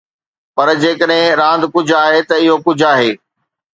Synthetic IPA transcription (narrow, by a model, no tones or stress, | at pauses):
pɐɾd͡ʑeːkəɗɦɪ̃ɾãːn̆d̪kʊd͡ʑʱaːɦet̪ɐɪɦokʊd͡ʑʱaːɦeː